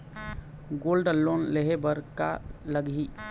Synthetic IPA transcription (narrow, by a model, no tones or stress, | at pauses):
ɡolɖəlːonleɦebəɾkaləɡi